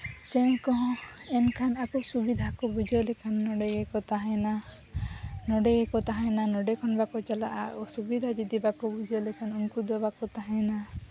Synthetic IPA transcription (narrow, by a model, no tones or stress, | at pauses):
t͡ʃẽkɔɦɔ̃ɛnkʰanakɔsubid̪ʱakɔbud͡ʒʱɔlekʰanːɔɖeɡekɔt̪aɦɛ̃na | nɔɖeɡekɔt̪aɦãjnanɔɖekʰɔnbakɔt͡ʃalaʔsubid̪ʱad͡ʒid̪ibakɔbud͡ʒʱɔlɛkʰanunkud̪ɔbakɔt̪aɦãna